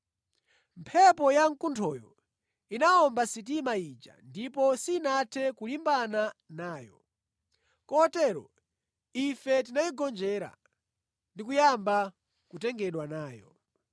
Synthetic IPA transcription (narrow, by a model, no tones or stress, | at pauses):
mpʰɛpɔjaŋkuntʰɔːjɔ̰ | inaɔmbasit̬imait͡ʃa̰ndip̬ɔsiːnatʰɛkulimbananaːjɔ̰ | kɔtɛɾɔ̰ | ifɛt̬inaiɡɔnd͡ʒɛɾa̰ | ndikujamba | kutɛŋɡɛɗwanaːjɔ̰